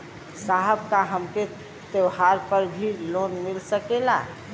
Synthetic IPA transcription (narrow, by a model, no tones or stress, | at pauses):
saɦəbkaɦəmke | t̪ewɦaɾpəɾbʱilonmilsəkela̰